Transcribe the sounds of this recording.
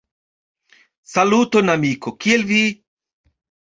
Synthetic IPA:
saluːt̪onamiːkʰokielvi

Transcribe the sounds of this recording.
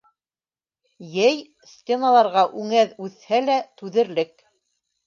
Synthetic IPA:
jæj | sʲtʲenalˠɑɾʁɑʔʉŋæðʉθhælæt̪ʉðɘ̆ɾlɘk

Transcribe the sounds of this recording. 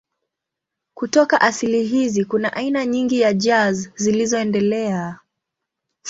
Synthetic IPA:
kutɔkaʔasiliɦizikunaʔainaɲiŋɡijad͡ʒazzilizɔɛndɛlɛa

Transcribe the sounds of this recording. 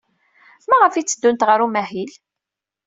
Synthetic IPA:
maʁəfit͡sːəd̪ːunt̪ʁəɾumæhil

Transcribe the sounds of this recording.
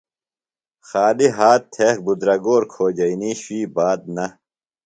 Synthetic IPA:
xaːliɦaːtt̪ʰːek̚bud̪ɾɐɡoːɾkʰoːd͡ʑɐiniːɕwiːbaːd̪̚nɐ

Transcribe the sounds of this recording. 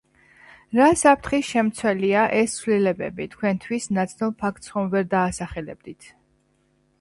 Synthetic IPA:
ɾasapʰɾt̪ʰχisʃɛmt̪sʰwɛliaʔɛst̪sʰlilɛbɛ̰bit̪ʰkʰwɛnt̪ʰwisnat̪sʰnulˠpʰak̚ʰt̪sχɔmvɛɾd̪aːsaχɛlɛ̰b̚d̪it̪ʰ

